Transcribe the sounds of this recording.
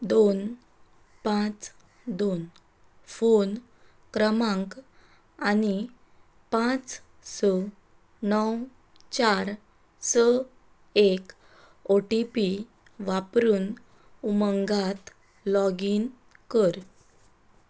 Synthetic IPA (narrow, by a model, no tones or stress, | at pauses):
d̪on | pãt͡s | d̪on | fon | kɾəmãŋk | ani | pãt͡s | sə | nəw | t͡ɕaɾ | sə | ek | oʈipi | ʋapɾuːn | uməŋɡat̪ | lɔɡiːn | kəɾ